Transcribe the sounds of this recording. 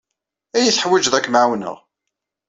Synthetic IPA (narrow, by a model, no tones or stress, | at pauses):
æjiθħwæd͡ʒðækːmʕwnə̰ʁ